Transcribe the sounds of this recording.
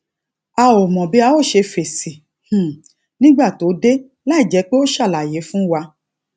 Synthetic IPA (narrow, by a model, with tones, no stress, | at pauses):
a˧o˨mɔ̃˨bi˦a˧o˦˨ʃe˧fe˨si˨ | h̩˨ | nĩ˦ɡ͡ba˦˨to˨˦de˦ | la˦i˦˨d͡ʒɛ˨˦k͡pe˦o˦ʃa˦˨la˨je˨˦fũ˦wa˧